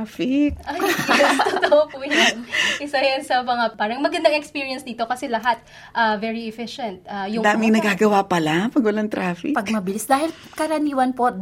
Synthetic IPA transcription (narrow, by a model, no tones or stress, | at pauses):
fɪkʔajt̪ot̪oʔopʊnanʔɪsɐɛsɐmɐŋapaːɾɐŋmɐɡɐnd̪ɐŋɛkspiːɹiɐnsd̪iːt̪o̞kɐsɛlɐɦat̪̚ | ʔɐvɛɹiɛfɪʃɛnt̪̚ʔajʊŋd̪aːmɪŋnɐɡaːɡɐwapɐlapɐɡwɐlaŋt̪ɾaːfɪ̰pɐɡmɐbɪlisd̪aːhɪl | kɐɾɐniːwɐnpo̞